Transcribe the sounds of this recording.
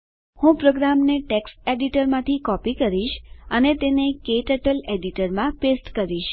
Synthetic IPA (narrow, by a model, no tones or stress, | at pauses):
hũpɾoɡɾamneʈeksʈeɖiʈəɾmãt̪ʰikɔpikəɾiʃənet̪enekeʈəʈəleɖiʈəɾmãpesʈkəɾiʃ